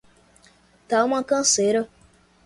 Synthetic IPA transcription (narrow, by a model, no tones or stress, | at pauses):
taomãkãseɾo